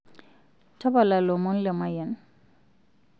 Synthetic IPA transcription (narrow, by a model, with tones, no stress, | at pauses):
tʰa˦ba˨la˨lo˨mɔ˦nlə˨ma˨jə˨n